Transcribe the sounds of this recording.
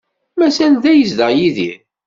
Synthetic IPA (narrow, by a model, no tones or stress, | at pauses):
mæsænðæjəsd̪əʁjiðḭɾ